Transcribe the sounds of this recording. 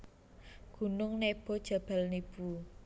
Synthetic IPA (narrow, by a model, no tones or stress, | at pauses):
ɡ̥ṳnʊŋneb̥ɔ̤d̥ʒ̥a̤b̥a̤lnib̥u